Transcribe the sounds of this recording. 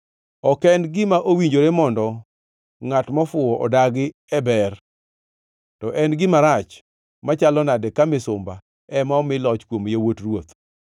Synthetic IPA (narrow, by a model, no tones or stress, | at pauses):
ɔkɛndɡɪmaʔowiɲd͡ʒoɾemɔndɔ | ŋatmɔfʊɔʔɔdaɡɪ | ɛbɛr | tɔʔɛnɡɪmaɾat͡ʃ | mat͡ʃalɔnadɛkamɪsʊmba | ɛmaɔmɪlɔt͡ʃkwomjewotrwot̪